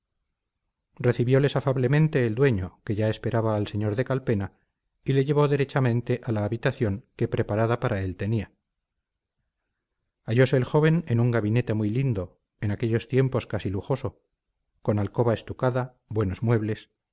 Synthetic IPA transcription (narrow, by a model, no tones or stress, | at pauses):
re̞θiβjole̞safaβle̞mẽnt̪e̞ːld̪we̞ɲo̞ke̞ʝae̞spe̞ɾaβaːlse̞ɲo̞ɾðe̞kalpe̞na | ile̞ʝe̞β̞oðeɾe̞t͡ʃamẽ̞nt̪e̞ʔalaːβit̪aθjo̞ŋke̞pɾe̞paɾaðapaɾʔae̞lt̪e̞nia | aʝo̞se̞ːlxo̞βe̞nenuŋɡaβine̞t̪e̞mujlind̪o̞ | enake̞ʎost̪je̞mpo̞skasiluxo̞so̞ | ko̞nalko̞βae̞st̪ukaða | bwe̞no̞zmwe̞βle̞s